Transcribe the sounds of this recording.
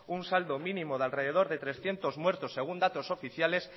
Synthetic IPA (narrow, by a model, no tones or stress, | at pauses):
unsald̪omĩnĩmoðalreðeð̞oɾðet̪ɾesθjent̪ozmweɾt̪osːeɣ̞und̪at̪osofiθjales